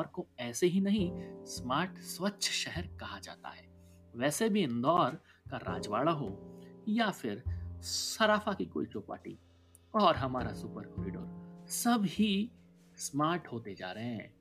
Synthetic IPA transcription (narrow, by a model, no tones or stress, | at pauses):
ɔɾkoɛːseɦinɐɦĩsmaːɾʈswətːʃʰʃɛɦɛɾkɐɦad͡ʒa̰ːt̪a̰ɦɛː | ʋɛːsebʱiɪ̃nd̪ɔːɾ | kaɾa̰ːd͡ʒʋaːɭaɦojafʰɪɾsɐɾaːfʰakiko̰ːit͡ʃoːpa̰ːʈḭ | ɔːɾɦɐmaːɾasʊpəɾkoːɾiːɖo̰ːɾsɐbʱɦi | smaːɾʈɦoːt̪ed͡ʒa̰ːɾɐɦɛ̃ː